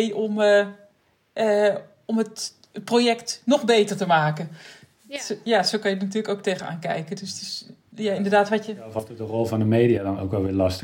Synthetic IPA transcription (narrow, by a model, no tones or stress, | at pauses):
jɔm | ə | ɔmət̚ | projɛktnɔxbeːtərtəmaːkə | jasoːkɑnjədənat̬yələkowk̚teːɣəna̰ːnkɛ̰jkədøsətɪsjaɪndərdaːtʋatjəfɔtət̚dərɔlˠvɔndəmeːdiadɔno̰wkʋɛlˠʋɪlastə